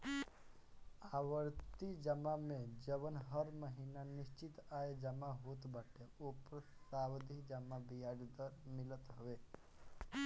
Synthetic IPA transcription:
aːʋəɾt̪id͡ʒəmamẽd͡ʒəʋənɦəɾməɦiːnanɪst͡ʃɪt̪aːed͡ʒəmaɦoːt̪bəʈʰeoːpəɾsawd̪ʱid͡ʒəmabijaɾd̪əɾmɪlət̪ɦəʋe

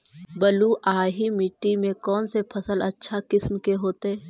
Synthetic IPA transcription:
bəluʔaːɦimɪʈːimẽkɔːnsepʰɐsəlɐtːʃʰakɪsmkeɦoːt̪ɛː

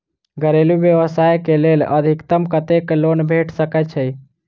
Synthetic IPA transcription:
ɡʱəɾelubjəʋəsajkelelə̰d̪ʱikt̪əmkət̪eklonbʱeʈʰsəkɛt͡ʃʰəi

